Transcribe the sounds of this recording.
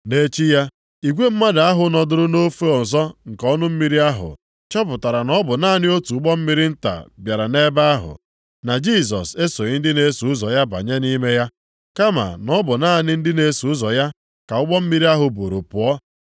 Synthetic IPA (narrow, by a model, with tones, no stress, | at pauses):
ne˦t͡ʃi˦ja˦ | i˨ɡʷe˦m̩˦ma˦da˨a˦ɦʊ˨nɔ˨dʊ˨ɾʊ˦no˦fe˦ɔ˨n̩˨zɔ˦ŋ̩˨kɔ˦nʊ˦m̩˦mi˦ɾi˦a˦ɦʊ̰˨ | t͡ʃɔ˦p̬ʊ˨ta˨ɾa˨nɔ˦bʊ˨naː˦˨nɪ˦o˦tu˨ʊ˦ɡ͡bɔ˦m̩˦mi˦ɾi˦n̩˦ta̰˨bja˨ɾa˨ne˦ba˦a˦ɦʊ̰˨ | na˨d͡ʒi˦s̬ɔ̰˨se˦so˨ɪ˦n̩˦dɪ˦ne˦su˨ʊ˦zɔ˨ja˦ba̰˨ɲe˦ni˦me˦ja˦ | ka˦ma̰˨nɔ˦bʊ˨na˦˨nɪ˦n̩˦dɪ˦ne˨˦su˨˦ʊ˦zɔ˨ja˦ | ka˨ʊ˦ɡ͡bɔ˦m̩˦mi˦ɾi˦a˦ɦʊ˨bo̰˨ɾo˨pʊ˨ɔ˦